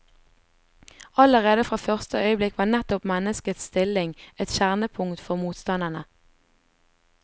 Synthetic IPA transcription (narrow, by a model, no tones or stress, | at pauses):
ɑləʁeːd̪əfʁɑːfœʁst̪əœʏəblɪkʋɑːnɛt̪ɔpmɛnəskət̪st̪ɪlɪŋɛt̪ʃæʁnəpʰʊŋt̪fɔʁmuːt̪st̪ɑnd̪ənə